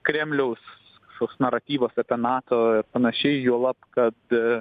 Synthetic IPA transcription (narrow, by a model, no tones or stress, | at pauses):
kɾʲæːmʲlʲɛʊs | ʃkoːkʲsnɐɾɐt̪ʲiːʋoːsɐpʲɛnɑːt̪oːɪɾpɐnɐʃʲɛɪjuɔlˠɐpkɐt̪